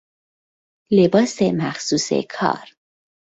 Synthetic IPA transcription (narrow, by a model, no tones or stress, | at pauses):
lebɒːsemæxsuːsḛkʰɒ̰ːɾ